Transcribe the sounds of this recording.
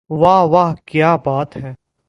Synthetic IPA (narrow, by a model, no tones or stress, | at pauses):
ʋaɦʋaɦkjaːbaːt̪ɦɛː